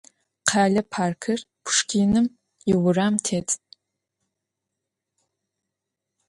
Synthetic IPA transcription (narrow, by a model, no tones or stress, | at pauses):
qʰaːɮɐpʰaːrkʰɨr | pʰʂkʰiːnɨm | ɪwʊraːmtʰeːtʰ